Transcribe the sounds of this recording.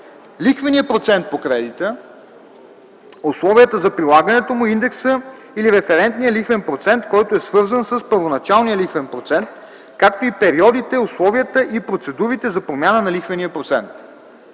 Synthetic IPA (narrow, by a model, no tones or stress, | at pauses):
lixvɐniəpɾot̪sɛnt̪̚pokɾɛd̪it̪ə | ʊslˠɔviət̪əzɐpɾilˠaɡənɛt̪omʊind̪ɛksə | iliɾɛfɛɾɛnt̪nijəlixvɛnpɾot̪sɛnt̪kɔjt̪oɛsvɤɾzənsəspəɾvonɐt͡ʃalˠnijəlixvɛnpɾot̪sɛnt̪̚ | kakt̪oipɛɾiɔd̪it̪ɛʊslˠɔviət̪əʔipɾot̪sɛd̪uɾit̪ɛzɐpɾomʲjanənɐlixvɐniəpɾot̪sɛ̰nt̪